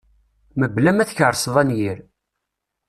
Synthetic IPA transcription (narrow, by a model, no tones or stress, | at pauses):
məblæmæθçəɾˤsðˤænjiɾ